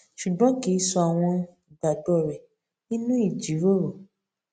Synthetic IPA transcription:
ʃu˨ɡ͡bɔ̃˦ki˨˦sɔ˧a˨w̃ɔ̃˧ | da˨dɔ˦˨ɾɛ˨ | nĩ˦nũ˦i˦˨d͡ʒi˨˦ɾo˦ɾo˨

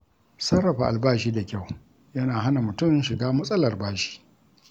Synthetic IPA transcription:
sɐ˦rːɐ˨ɸa̰˨ʔa˨lbaː˦ʃiː˦da˨kʲa˦˨w | jɐ˦naː˨ɦa˦na˨mʊ˨tʊ˦mʃɪ˨ɡaː˦mɐ˦sʼɐ˦lɐ˨rbaː˦ʃi̥ː˦

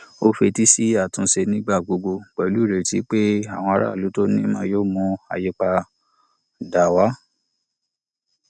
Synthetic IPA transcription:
o˦fe˧ti˦si˦a˦˨tũ˧ʃe˧nĩ˦ɡ͡ba˦˨ɡ͡bo˧ɡ͡bo˧ɡ͡bɛ˨lu˨˦˨ɾe˨ti˨˦k͡pe˦a˦˨w̃ɔ̃˧a˧ɾa̰˦˨lu˨˦to˦nĩ˦mãː˦joː˦mũ˧a̰˨je˧k͡pa˧ | da˨wa˨˦

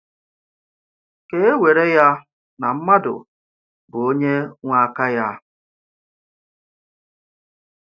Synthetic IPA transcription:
ke˦e˦we˨ɾe˦ja˦ | na˨m̩˦ma˦dʊ̰˨ | bʊ˨o˦ɲe˦ŋʷa˦ka˦ja˦

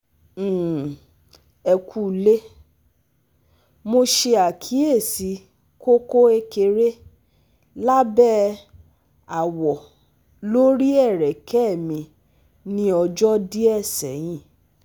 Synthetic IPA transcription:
ɛ˧kʰu˦le˦ | mo˧ʃe˧a˨kʰi˨˦e˦˨si˨˦ | ko˦ko˦e˧ke˧ɾe˦ | la˦bɛ˦ | a˨wɔ˨ | lo˦ɾi˦ɛ˦˨ɾɛ˨kʰɛ˦˨mĩ˧ | nĩ˦ɔ˧d͡ʒɔ˦di˦ɛ˦˨sɛ̰˨˦j̃ĩ˦˨

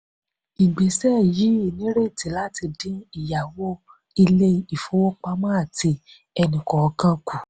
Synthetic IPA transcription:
i˨ɡ͡bɛ˨˦sɛ˦˨ji˨˦e˦˨nĩ˦ɾe˦˨ti˨˦la˦ti˧dĩ˦i˨ja˨wo˦ | i˧le˦˨˦i˨fo˦wo˦k͡pa˧mã˦a˦˨ti˧ | ɛ˧nĩ˨kɔ˨ɔ˧kã˦ku˨

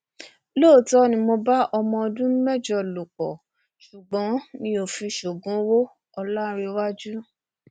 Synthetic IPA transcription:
loː˦˨tɔ˦nĩ˧mo˧ba˦ʔɔ˧mɔ̃˧ɔ˧dũ˦n̩˦mɛ˦˨d͡ʒɔ˧˨lo˨k͡pɔ˨ | ʃu˨ɡ͡bɔ̃˨˦nĩ˧˦o˨fi˧ʃo˨ɡũ˨˦wo˦ | ɔ˧la˦ɾe˧wa˦d͡ʒu˦

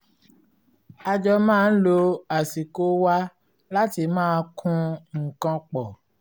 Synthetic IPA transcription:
a˧d͡ʒɔ˧mãː˦˧n̩˦lo˧a˨si˨ko˨˦wa˦ | la˦ti˧mãː˦˧kʰũ˧ŋ̩˨kã˧k͡pɔ˨

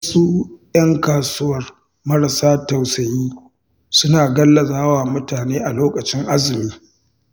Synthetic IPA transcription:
su˦jɐ˦ŋkaː˨sʊ˦wɐ˨r | mɐ˦ɾa˨saː˦ta˨wsɐ˨jiː˦ | sʊ˦naː˨ɡɐ˦lːɐ˨zaː˦waː˨mʊ˦taː˨neː˦ʔa˨loː˦kʼɐ˨t͡ʃɪ˦ŋʔa˦zɪ˨miː˦

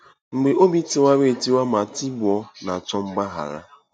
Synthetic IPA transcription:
ŋ͡m̩˨ɡ͡be˨ʔo˦bi˦tɪ˨wa˦ɾe˨ti˦wa˦ma˨ti˦bʊ˨ɔ˦na˨t͡ʃɔ˦ŋ͡m̩˦ɡ͡ba˦ɦa̰˨ɾa̰˦

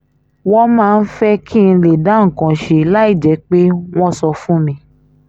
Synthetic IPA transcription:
wɔ̃˦mãː˦˧n̩˦fɛ˦ki˦˧n̩˧le˨da˨˦ŋ̩˨kã˨ʃe˨la˦i˦˨d͡ʒɛ˨˦k͡pe˦w̃ɔ̃˦sɔ˧fũ˦mĩ˧

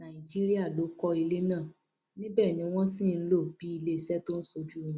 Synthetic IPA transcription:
nã˨i˨d͡ʒi˦ɾi˦a˦˨lo˨˦kɔ˦i˧le˦nãː˦˨ | nĩ˦bɛː˦˨nĩ˧˦w̃ɔ̃˦sĩ˦˨n̩˦lo˦˨b̥i˨˦i˧le˦˨˧sɛ˦to˦n̩˦so˧d͡ʒũ˦˨˦

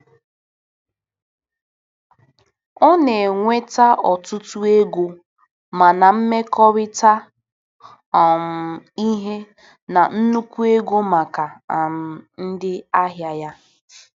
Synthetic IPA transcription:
ɔ˦ne˨ŋʷe˦ta˦ʔɔ˨tʊ˦tu˦e˦ɡʷo˦ | ma˨na˨m̩˦me˦kɔ˦ɾɪ˦ta˦ | ɔ˨m̩˨i˦ɦe˦ | na˨n̩˦nu˦kʷu˦e˦ɡo˦ma˨ka˨a˨m̩˨n̩˦dɪ˦a˦ɦja˦ja˦

